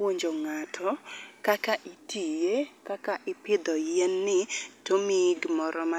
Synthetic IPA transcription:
oɲd͡ʒoŋatʰɔkakaʔitʰijekakaʔɪpɪd̪ɔjɛnːɪtomiɡmɔɾɔma

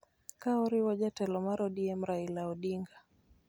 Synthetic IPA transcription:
kaɔɾiwɔʄatɛlɔmaɾɔɗiɛm̩ɾailaɔɗiŋɡa

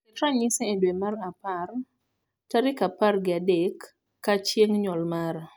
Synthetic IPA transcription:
ɛtɾaɲiseedwemaɾapar | taɾɪkaparɡɪadekː | at͡ʃjeŋɲɔlmaɾ

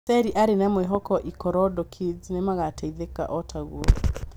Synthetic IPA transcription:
sɛɾiʔaɾenɛmweɦɔkɔʔikɔɾɔdɔkʰid͡ʒnemaɣatʰɛiðeka̰ʔɔtʰaɣṵɔ

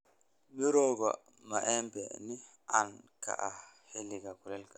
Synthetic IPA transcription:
miɾɔɡɔ̰ | maʔɛmbɛni | anka̰ʔahelːiɡakulɛlkḁ

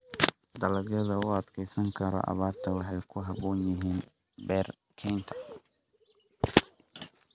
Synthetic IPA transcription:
d̪ɐlɐɣɐðɐʊɐd̪kʰɛjsɐŋkʰɐɾɔ̰ʔɐ̰βaːrt̪ʰɐwɑħɑjkʰʊɦɐβɔːnjɪɦiːn | bɛːr | kʰɛnt̪ʰɐ̥

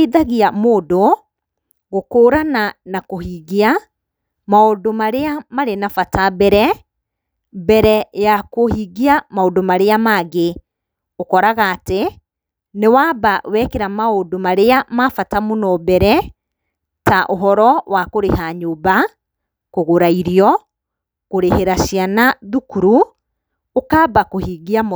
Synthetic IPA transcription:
ðaɣiamoːdo | ɣokoːɾananakohiːɣia | maodomaɾeamaɾenafatabɛɾɛ | bɛɾɛjakohiɣiamaodomaɾeamaɣe | okɔɾaɣaːte | newabawɛkeɾamaodomaɾeamafatamonɔbɛɾɛ | taʔoɦɔɾɔwakoɾehaɲoba | koɣoɾaiɾiɔ | koɾeheɾaʃianaðukuɾu | okabakohiɡiam

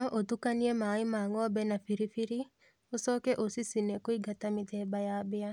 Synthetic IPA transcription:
ɔʔot̪ukaniemaɪmaŋɔbɛnafiɾifiɾi | osɔkeʔosisinekoiɡat̪amɪt̪ɛbajabɪa

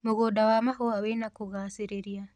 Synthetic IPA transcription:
muɣodawamaɦoawenakuɣaːsiɾeɾja

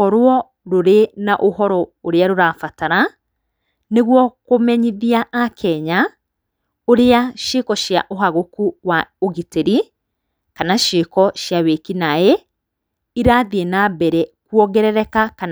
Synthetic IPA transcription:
ɔɾwɔ | ɾoɾenaʔohɔɾɔoɾeaɾoɾaːfataɾa | neɣwɔkomɛɲiðiaʔːkʰɛɲa | oɾeaʃekɔʃjaʔoɦaɣokuwaoɣiteɾi | kanaʃekɔʃjawekinae | iɾaðienabɛɾɛkwɔɣɛɾɛɾɛkakan

